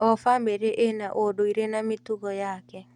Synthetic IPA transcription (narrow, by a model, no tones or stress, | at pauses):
ɔfambeɾeʔenaʔodoiɾenametuɣɔjakɛ